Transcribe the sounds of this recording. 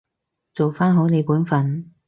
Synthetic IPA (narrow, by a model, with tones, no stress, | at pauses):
t͡so˨wfaː˥nɦo˨˥wne˨˧jpuː˨˥nfɐ˨˩n